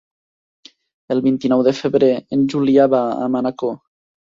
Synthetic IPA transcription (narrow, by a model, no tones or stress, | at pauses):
elβint̪inɔwðefeβɾeːnd͡ʒuliaβaa̰manako